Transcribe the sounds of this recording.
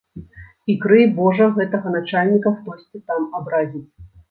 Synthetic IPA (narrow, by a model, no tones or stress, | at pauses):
ikɾɨjbɔʐɐɣɛt̪ɐɣɐn̪at͡ʂalʲnʲikɐxt̪ɔsʲt͡sʲit̪amabɾazʲit͡sʲ